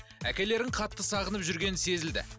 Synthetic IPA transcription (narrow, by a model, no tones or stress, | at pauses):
ækʲe̞le̞ɾɪɴqʰɑt̪ːəsɑʁənəpʒʏɾɡʲe̞nɪnse̞zɪld̪ɪ̰